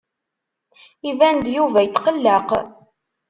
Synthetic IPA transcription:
ivænd̪juvæjət̪ːqəlːəq

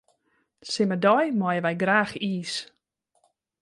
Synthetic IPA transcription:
sɪmədɔjmɔjəʋɛjɡraːxiːs

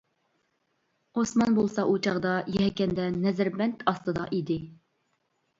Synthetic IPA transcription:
osmɑnbolˠsɑʔut͡ʃʰɑʁd̪ɑjɛɦɛkʲɛnd̪ɛnɛzɾbɛnt̪ʰɑst̪ɨd̪ɑ̰ʔid̪ɪ

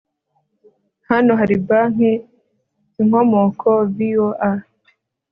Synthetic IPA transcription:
hanoɦaɾibaŋ̥e | ziŋ̥omokʰovioʔa

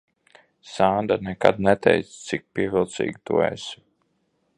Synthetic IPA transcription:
saːnd̪anɛka̰d̪nɛt̪ɛ̰jt̪st̪sik̚piɛvʲilˠt̪sḭːɡʲit̪ṵɛ̰s

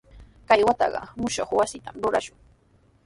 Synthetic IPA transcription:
kajwat̪ɑ̰ɢɑ̰mʊʃoχwasɪt̪amɾʊɾa̰ʃʊŋ

